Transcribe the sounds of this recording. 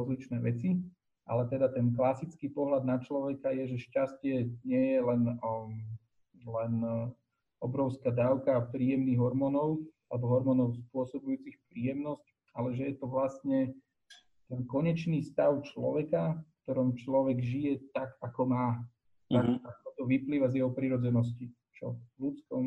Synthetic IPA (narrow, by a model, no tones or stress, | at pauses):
ɾɔzlit͡ʃnɛːʋɛt͡si | ʔa̰lɛt̪ɛd̪at̪ɛnklasit͡skiːpɔɦlad̪̚nat͡ʃlɔʋɛkajɛʒɛʃcascɪɛɲɪɛjɛlɛn | lɛn | ɔbɾɔʊskaːd̪aːʊkapɾiːjɛmniːɣɦɔɾmɔnɔʊalɛbɔɦɔɾmɔnɔʊspʊɔsɔbujuːt͡sixpɾiːjɛmnɔsc | alɛʒɛjɛt̪ɔʋlast̪ɲɛ | t̪ɛnkɔɲɛt͡ʃniːst̪aʊt͡ʃlɔ̰ʋɛkafkt̪ɔɾɔmt͡ʃlɔʋɛɡʒijɛt̪akakɔmaː | t̪akakɔt̪ɔʋipliːʋazjɛɦɔpɾiɾɔd͡zɛnɔs̬ci | t͡ʃɔ̰lut͡skɔm